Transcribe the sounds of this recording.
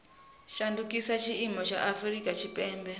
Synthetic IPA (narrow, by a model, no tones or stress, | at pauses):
ʃandukʼisat͡ʃʰiimɔt͡ʃʰaʔafɾikʼat͡ʃʰipʼɛːmbɛ